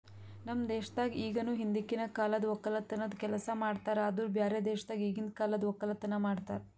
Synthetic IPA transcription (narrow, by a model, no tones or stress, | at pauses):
nɐmd̪eːʃɐ̥t̪aːɡiiːɡɐnuːɦind̪ikːinɐkaːlɐd̪ɔkːɐlɐt̪ːɐnɐd̪kɛlɐsɐmaːɖt̪aːɾead̪ubʱjaːɾjɐd̪eːʃɐd̪aːɡiːɡind̪kaːlɐd̪ʋɔkːɐlɐt̪ːɐnɐmaːɖt̪aːɾe